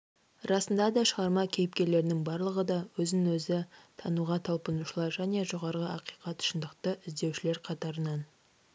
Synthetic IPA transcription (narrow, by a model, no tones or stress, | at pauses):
rɑsənd̪ɑd̪ɑʃəʁɑɾmɑkʲʰe̞jɪp̚kʲe̞ɾle̞ɾɪnɪŋbɑɾlˠəʁəd̪ɑwɵzɪnɪŋwɵzɪt̪ʰɑnuʁɑt̪ʰɑlˠpənuʃəlˠɑɾʒæne̞ʒoʁɑɾʁəɑqijqɑt̪ʊ̥ʃənd̪əqt̪əʔɪzd̪e̞wʃɪle̞ɾqʰɑt̪ɑɾənɑn